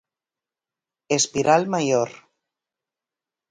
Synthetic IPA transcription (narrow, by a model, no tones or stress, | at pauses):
espiɾʔalmajoɾ